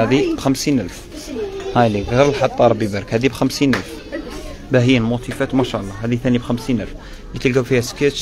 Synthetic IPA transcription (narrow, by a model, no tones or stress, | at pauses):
æd̪ibxæmsinʔəlf | hæliɣiɾəlħɑt̪ˤːɑɾˤbibæɾəkhæd̪ibxæmsinʔælf | bæhəjːəlmot̪ˤifæt̪mæʃæʔəlˤːɑɦæd̪it̪ænjibxæmsinʔæ̰lf | lit̪əlɡæbfihæske